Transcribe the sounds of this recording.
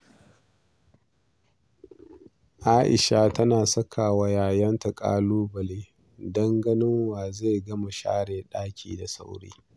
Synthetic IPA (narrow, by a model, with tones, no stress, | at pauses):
ʔaː˦ʔɪ̰˨ʃa˦tɐ˦naː˨sɐ˦kʰa˨wa˦jaː˨jɐ˦nta˨kʼa̰ː˦luː˦bɐ˨leː˦ | dɐ˦ŋɡɐ˦nɪ˦ŋwaː˨ze˦˨ɡɐ˦ma˨ʃa̰ː˦ɽeː˨ɗaː˦kʲʰḭː˨da˨sa̰˦wɽḛː˦